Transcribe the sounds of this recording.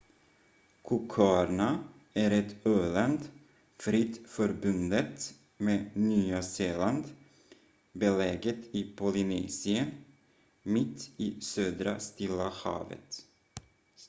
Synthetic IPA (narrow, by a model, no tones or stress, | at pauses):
kʰʊkʰɑːɾɳa | æɾɛt̪øːland̪ | fɾɪt̪fœɾbɵnd̪ət̪ | meːnyːaseːland̪ | bɛlɛːɡət̪ɪpʰɔlɪnɛːsɪə | mɪt̪ːɪːsøːd̪ɾa̰st̪ɪlːahɑ̰ːvə̰t̪